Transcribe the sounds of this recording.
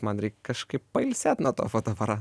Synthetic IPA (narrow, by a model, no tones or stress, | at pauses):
mɐnɾʲɛɪkʲkɐʃkɐɪppɐɪlʲsʲæːt̪nuɔt̪o̰ːfoːt̪oʋɐɾɑ